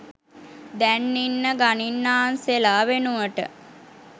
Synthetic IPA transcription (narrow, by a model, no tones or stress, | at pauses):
d̪ænːinːəɡaninːaːnselaːʋenuʋəʈə̰